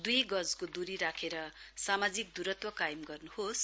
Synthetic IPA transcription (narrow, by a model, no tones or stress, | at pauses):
d̪ujɡʌd͡zkod̪uɾiɾakʰeɾʌsamad͡zik̚d̪uɾʌt̪wʌkajimɡʌrnuhos